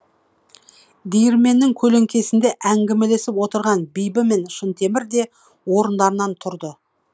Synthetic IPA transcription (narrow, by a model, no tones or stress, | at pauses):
d̪ijɪɾme̞nːɪŋkʲʰɵle̞ŋkʲe̞sɪnd̪e̞ʔæŋɡʲeme̞le̞sɪpwo̞t̪əɾʁɑnbijbɪme̞nʃənt̪ʰe̞mɪɾd̪e̞ | wo̞ɾənd̪ɑɾənɑnt̪ʰʊɾd̪ə